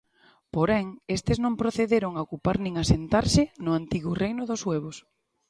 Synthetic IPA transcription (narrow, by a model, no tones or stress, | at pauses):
poɾɛŋest̪ɪznõmpɾoθeðeɾʊŋaokupaɾnĩŋasent̪aɾsɪnʊant̪iɣʊrejnʊðʊsweβ̞ʊs